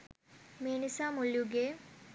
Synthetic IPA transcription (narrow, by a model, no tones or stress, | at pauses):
meːnisaːmuljuɡeː